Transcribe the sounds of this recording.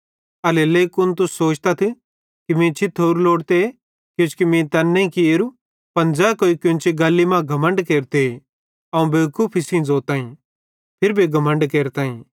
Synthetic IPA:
ɐleleːkʊnt̪̬ʊsːoːt͡ʃt̪ɐt̪ʰ | kimĩt͡ʃʰit̪ʰːoɾloːɽt̪e | kjõskimĩt̪ɐnːeĩkieɾu | pɐnd͡zaːkoːikʊ̃nt͡ʃʰiɡɐlːimãɡʱɐmə̃ɳɖkeːɾt̪e | ɐũbekʰʊpʰɪsĩd͡zoːɾt̪ãːĩ | pʰɪɾbʱiɡʱɐmə̃ɳɖkeːɾt̪ãːĩ

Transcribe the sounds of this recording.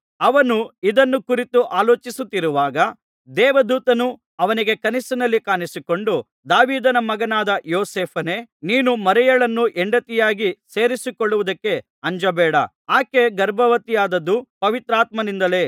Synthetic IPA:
ɐʋɐnuid̪ɐnːukuɾit̪uʔaːloːt͡ʃisut̪ːiɾuʋaːɡɐ | d̪ɛːʋɐd̪uːt̪ɐnu | ɐʋɐniɡe̞kɐnisɐnɐlːikaːnisiko̞ɳɖu | d̪aːʋiːd̪ɐnɐmɐɡɐnaːd̪ɐjoːseːpʰɐneːniːnumɐɾɛjɐɭɐnːuʔeɳɖɐt̪ijaːɡise̞ːɾisikoɭːuʋud̪ɐkːe̞ | ɐɲd͡ʒɐbɛːɽɐ | aːke̞ɡɐɾbʱɐʋɐt̪ijaːd̪ɐd̪ːupɐʋit̪ɾaːt̪̚mɐnind̪ɐle̞ː

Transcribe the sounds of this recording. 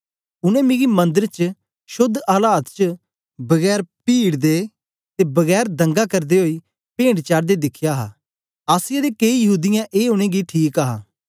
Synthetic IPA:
ʊnɛ̃ːmẽːɡiːmə̃nd̪əɾt͡ʃə | ʃʊd̪aːlaːt̪t͡ʃə | bəɡɛːɾpiːɽd̪eː | t̪eːbəɡɛːɾd̪ə̃ŋɡaːkəɾd̪eːɦoːiː | pẽːɳɖt͡ʃaːɽd̪eːd̪ɪkʰjaːɦaː | aːsɪjed̪eːkeijəɦuːd̪ɪjãʔeːoɽ̃ẽːɡiʈʰiːkaɦaː

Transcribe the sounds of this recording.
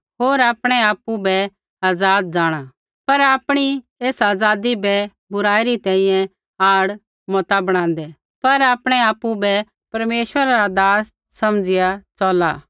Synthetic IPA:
ɦoːɾaːpɽ̃ɛaːpubɛ | aːd͡zaːd̪̚d͡zaːɽ̃a | pɐɾaːpɽ̃i | eːsaːzaːd̪ibɛ | bʊɾaːiɾit̪ɛ̃ĩjɛ̃ | aːɽ | mɔt̪abɐɽ̃ãːnd̪ɛ | pɐɾaːpɽ̃ɛaːpːubɛ | pɐɾmeːʃʋəɾaɾad̪aːsː | ɐmd͡zɪjat͡sɔːlaː

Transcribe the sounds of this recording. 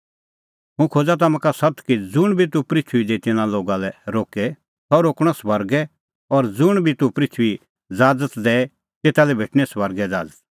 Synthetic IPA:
ɦũkʰoːd͡zat̪̬ɐmãkasɐt̪kid͡zʊɽ̃bʱit̪upɾɪt͡ʃʰʊid̪et̪ɪnãloːɡalɛɾoːkɛ | t̪ɔɾoːkɽ̃ɔsʋɐɾɡɛ | ɔɾd͡zʊɽ̃bʱit̪upɾɪt͡ʃʰʊi | d͡zaːd͡zət̪d̪ɛːɛ | t̪eːt̪alɛbʱeːʈʰñɛsʋɐɾɡɛd͡za̰ːd͡zət̪̚

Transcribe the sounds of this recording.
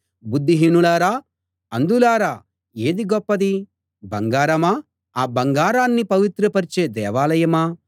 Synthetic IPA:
bud̪ːiɦinulaːɾaː | ɐnd̪ulaːɾaː | e̞ːd̪iɡɔpːɐd̪i | bɐŋɡaːɾɐmaː | aːbɐŋɡaːɾaːnːipɐʋit̪ɾɐpɐɾt͡ʃeːd̪ɛːʋaːlɐjɐmaː

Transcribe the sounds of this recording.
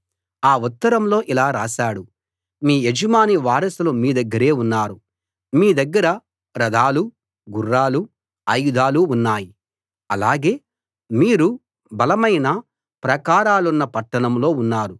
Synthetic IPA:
aːut̪ːɐɾɐmlo̞ːʔilaːɾaːʃaːɽu | miːjed͡ʒɐmaːniʋaːɾɐsulomiːd̪ɐɡːɐɾe̞ːunːaːɾu | miːd̪ɐɡːɐɾɐ | ɾɐd̪aːlu | ɡurːaːlu | ɐjud̪ʱaːluunːaːji | ɐlaːɡe̞ː | miːɾu | bɐlɐmɐjnɐ | pɾɐkaːɾaːlunːɐpɐʈːɐɳɐmlo̞ːunːaːɾu

